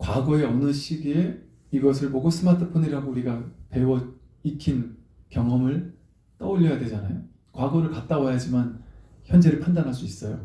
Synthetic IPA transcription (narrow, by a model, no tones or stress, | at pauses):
kwaɡʌe̞ʌnɯɕ͈ʰiɡe | iɡʌsʰɯɭpoɡos͈ʰɯmatʰɯ̥pʰoniɾaɡouɾiɡape̞wʌ | ikʰin | kjʌŋʌmɯɭ | t͈ʌuʎːʌjadwe̞d͡ʑanajo | kwaɡʌɾɯɭkat̚t͈awajad͡ʑiman | çjʌnd͡ʑe̞ɾɯɭpʰandanɦaɭs͈uis͈ʌjo